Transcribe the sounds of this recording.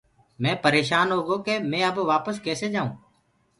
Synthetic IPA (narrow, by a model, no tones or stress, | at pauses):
mɛ̃ːpəɾeːʃaːnɦoːɡoːkeːmɛ̃ːəbʋaːpəskeːseːd͡ʒaːũː